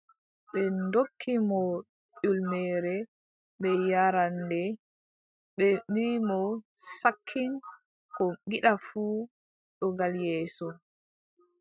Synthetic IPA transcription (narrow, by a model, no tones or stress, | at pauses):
ɓɛndokʰːimɔ | ɗulmɛːɾɛ | ɓɛjaɾandɛ | ɓɛmiːmɔ | sakʰːin | kɔɡiɗafuː | ɗɔɡaljɛːsɔ